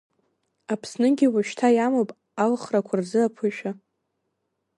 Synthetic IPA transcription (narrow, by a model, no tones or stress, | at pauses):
apʰsnɨɡʲiwaʃtʰajamopʼ | alχrakʷʰarzɨapʰɨʃᶣa